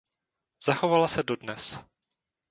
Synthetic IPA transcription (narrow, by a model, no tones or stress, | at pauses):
z̥axovalasɛdo̞dnɛs